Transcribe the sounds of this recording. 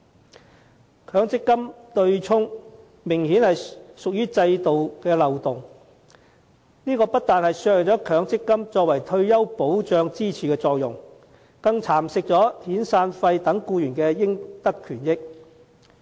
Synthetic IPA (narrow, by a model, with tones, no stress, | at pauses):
kʰœː˨˥ŋt͡sɪ˥kːɐ˥mt̪ɵ˧ɥt͡ʃʰʊ˥ŋ | mɪ˨˩ŋhiː˨˥nhɐ˨jsʊ˨k̚jyː˥t͡sɐ˧jt̪o˨wkɛː˧lɐ˨wt̪ʊ˨˩ŋ | niː˥kɔː˧pɐ˥t̚t̪aː˨nhɐ˨jsœː˧k̚ɪ˨˩t͡sɔː˨˥kʰœː˨˥ŋt͡sɪ˥kːɐ˥mt͡ʃɔː˧k̚wɐ˨˩jt̪ʰɵ˧ɥjɐ˥wpo˨˥wt͡ʃœː˧ŋt͡siː˥t͡sʰiː˨kɛː˧t͡sɔː˧k̚jʊ̰˨˩ŋ | kɐ˧ŋt͡sʰaː˨˩msɪ˧k̚t͡sɔː˨˥t̪ʰiː˨˥nsaː˧nfɐ˧jt̪ɐ˨˥ŋkuː˧jyː˨˩nkɛː˧jɪ˥ŋt̪ɐ˥kʰːyː˨˩njɪ˥k̚